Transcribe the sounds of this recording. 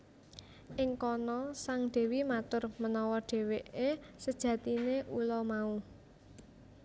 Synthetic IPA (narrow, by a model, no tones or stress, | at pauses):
ʔɪŋkɔnɔsaŋɖ̪̥e̤wimat̪ʊrmənɔwɔɖ̥e̤weʔesəd̥ʒ̥ä̤t̪ineʔulɔmau